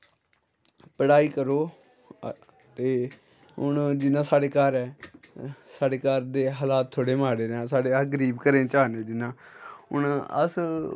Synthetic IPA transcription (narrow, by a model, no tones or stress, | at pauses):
pəɽaːiːkəɾoː | t̪eː | ʊɳd͡ʒɪnãːsaːɽeːkaːɾɛː | saːɽeːkaːɾd̪eːɦaːlaːt̪ʰːoːɽeːmaːɽeːɾãːsaːɽeːaɡəɾiːbkəɾẽːt͡ʃaːneːd͡ʒɪnːãːʊ̰ɳə̰s